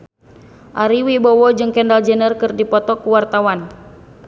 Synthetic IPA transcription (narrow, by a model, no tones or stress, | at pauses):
ʔaɾiwibɔwɔd͡ʒɨŋkɛndald͡ʒənərkɨrdipɔt̪ɔkuwart̪awan